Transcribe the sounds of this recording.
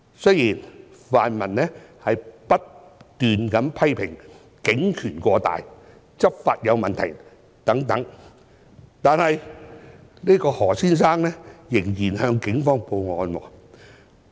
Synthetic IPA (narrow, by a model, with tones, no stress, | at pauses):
sɵ˥jiː˨˩nfaː˨nmɐ˨˩nnɛː˥hɐ˨jpɐ˥t̚t̪yː˨nkɐ˨˥npʰɐ˥jpʰɪ˨˩ŋ | kɪ˨˥ŋkʰyː˨˩nkʷɔː˧t̪a̰ː˨j | t͡sɐ˥p̚faː˧t̚jɐ˨˧wmɐ˨nt̪ʰɐ̰˨˩j | t̪ɐ˨˥ŋt̪ɐ˨˥ŋ | t̪aː˨˧nhɐ˨j | niː˥kɔː˧hɔː˨˩siː˥nsaː˥ŋnɛː˥jɪ˨˩ŋjiː˨˩nhœː˧ŋkɪ˨˥ŋfɔː˥ŋpo˧wŋɔː˧nwɔ̰ː˧